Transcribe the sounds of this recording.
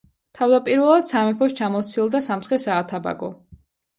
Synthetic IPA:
t̪ʰavd̪apʼiɾvɛlˠad̪̥samɛpʰɔʃt͡ʃʰamɔt̪sʰilˠd̪asamt̪sχɛsaːt̪ʰaba̰ɡɔ

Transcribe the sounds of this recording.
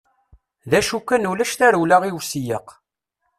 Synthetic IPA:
ðæʃukːænulæʃθæɾulaʁiwsijəq

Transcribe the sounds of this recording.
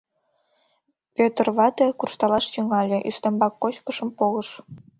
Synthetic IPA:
pʲøt̪ərβɑt̪ekurʃt̪ɑlɑʃt̪yŋɑlʲeʔyst̪ə̆mbɑkːot͡ɕkəʃə̆mpoləʃ

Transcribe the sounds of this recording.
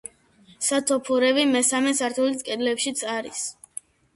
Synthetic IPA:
sat̪ʰɔpʰuɾɛvimɛsamɛsaɾt̪ʰulit̪kʼɛd̪lɛpʃit̪sʰʼaɾis

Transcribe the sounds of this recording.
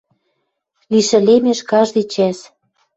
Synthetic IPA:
liʃɘ̆lemeʃkɑʒd̪it͡ɕæs

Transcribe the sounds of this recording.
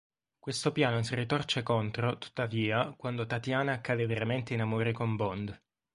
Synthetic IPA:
kwest̪opjaːnosirit̪ɔrt͡ʃekont̪ɾot̪u̥t̪ːaviːakwand̪ot̪at̪jaːnaːkːaːd̪eveɾament̪einamoːɾekombɔnd̪

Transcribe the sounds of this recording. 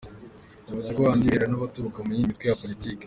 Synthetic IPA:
uβuzekoβaːndiiɾanaβatuɾukamuɲimitkwejapo̞ɾitike̥

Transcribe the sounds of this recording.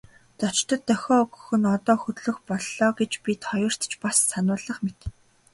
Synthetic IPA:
t̪ɔt͡ɕt̪ə̆t̪ːœxʲɔːɡɵ̆xɵ̆nɔt̪ɔːxɵt̪ɮɵ̆xpɔɮːɔːɡet͡ɕpʲit̪χɔjʊːr̥t̪t͡ɕpasːanʊːɮə̆χmet̪

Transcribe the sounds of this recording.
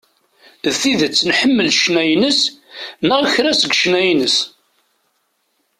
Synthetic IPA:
θiðət͡sːnħəmːəlʃnæjnəsnəʁçɾæsəɡʃnæjnəs

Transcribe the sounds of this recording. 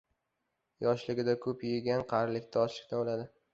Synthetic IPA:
jɒʃlɪɡʲɪd̪akʰɵpjeɡʲanqʰɑɾlɪkʲt̪ʰaɒt͡ʃʰɪ̥kʲnaolad̪ɪ

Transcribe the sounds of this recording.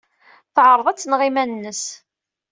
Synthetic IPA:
θʕəɾˤəðˤæt͡sːnʁɪmænnːəs

